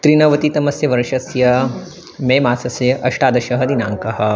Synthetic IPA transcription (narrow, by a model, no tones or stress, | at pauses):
t̪ɾinɐʋɐt̪it̪ɐmɐsjɐʋɐɾʃɐsjɐ | meːmaːsɐsjɐʔɐʂʈaːd̪ɐʃɐɦɐd̪inaːŋkɐɦɐ̆